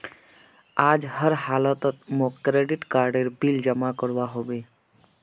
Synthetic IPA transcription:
ad͡ʒhəɾhalɔt̪ɔt̪mokɾeɖiʈkaɾɖeɾbild͡ʒəmakɔɽʋaɦobe

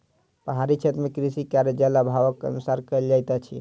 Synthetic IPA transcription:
pəɦaɾit͡ʃʰet̪ɾmekɾisikaɾjəd͡ʒɛlabʱaʋəkːə̰nusaɾkəeld͡ʒajt̪at͡ʃʰḭ

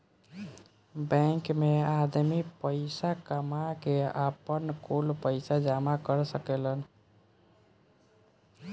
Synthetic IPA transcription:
bɛ̃ŋkmead̪mipəɪsakəmakeapənkolpəɪsad͡ʒamakəɾsəkelən

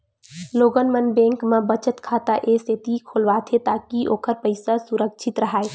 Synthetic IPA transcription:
loːɡənmənbẽːŋkmãbət͡ʃət̪kʰaːt̪aʔeːset̪ikʰoːlʋaːt̪ʰet̪aːkiʔoːkəɾpəɪsasʊɾəkʃʰɪt̪ɾəɦaːe

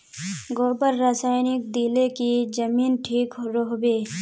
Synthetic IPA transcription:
ɡoːbəɾːaːsaːɪnɪk̚d̪ilekid͡ʒɐmiːnʈʰiːkɾoɦbeː

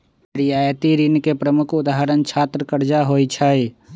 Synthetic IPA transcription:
ɾijaːjət̪iɾinkepɾəmʊkʰʊd̪aɦəɾənt͡ʃʰaːt̪ɾəkəɾd͡ʒaɦoːjt͡ʃʰaj

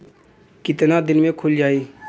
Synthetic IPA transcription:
kɪt̪nad̪ɪnmẽkʰʊld͡ʒaːiː

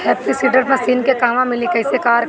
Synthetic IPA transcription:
hɛːpʰisiːɖəɾmẽsiːnkekaːmãmɪlĩkɐɪsekaːɾ

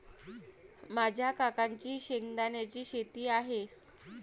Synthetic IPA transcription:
mad͡ʑʱjakakaɲt͡ɕiːɕeŋɡd̪anjat͡ɕiːɕet̪iːaɦe

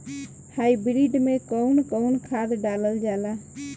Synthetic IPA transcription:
hajbɾiɖmekəwnkəwnkʰad̪ɖaləld͡ʒala

